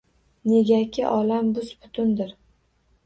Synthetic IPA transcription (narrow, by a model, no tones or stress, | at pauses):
ne̞ɡʲakʲʰɪʔɒlambʊzbʊ̥t̪ʰʊnd̪ɪɾ